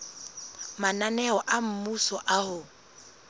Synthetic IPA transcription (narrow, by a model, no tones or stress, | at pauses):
mananɛɔʔam̩musɔʔahʊ